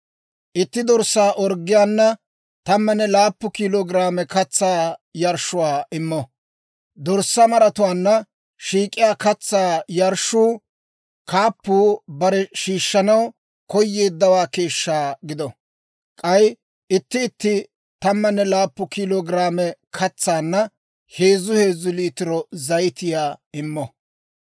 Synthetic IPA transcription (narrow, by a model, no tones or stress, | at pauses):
ʔɪt̪ːɪd̪ɔɾsːaːʔɔɾɡːɪjaːnːɐ | t̪ɐmːɐnːɛlaːpːʊkiːloːɡɾaːmɛkɐt͡sːaːjɐɾʃʊwaːʔɪmːɔ | d̪ɔɾsːɐmɐɾɐt̪ʊwaːnːɐ | ʃiːkʼɪjaːkɐt͡sːaːjɐɾʃːuː | kaːpːuːbɐɾɛʃiːʃːɐnɐw | kɔjːe̞ːd̪ːɐwaːke̞ːʃːaːɡɪd̪ɔ | kʼɐj | ɪt̪ːɪːt̪ːɪ | t̪ɐmːɐnːɛlaːpːʊkɪloːɡɾaːmɛkʰɐt͡sːaːnːɐ | he̞ːzʊhe̞ːzʊliːt̪ɪɾɔzɐjt̪ɪjaːɪmːɔ